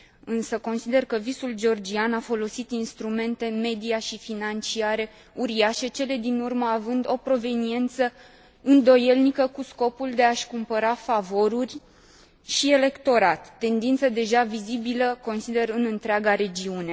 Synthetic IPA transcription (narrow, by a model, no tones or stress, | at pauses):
ɨnsəko̞nsid̪e̞rkəvisuld͡ʒeo̞rd͡ʒianafo̞lo̞sit̪inst̪ɾume̞nt̪e̞me̞d̪iaʃifinant͡ʃiaɾe̞ | uɾiaʃe̞t͡ʃe̞le̞d̪inurməavɨnd̪o̞pɾo̞ve̞nie̞nt̪sə | ɨnd̪o̞je̞lnikəkusko̞puld̪e̞aʃkumpəɾafavo̞ɾurʲ | ʃie̞le̞kt̪o̞ɾat̪ːe̞nd̪int̪səd̪e̞ʒavizibiləko̞nsid̪e̞ɾɨnɨnt̪ɾeaɡaɾe̞d͡ʒiune̞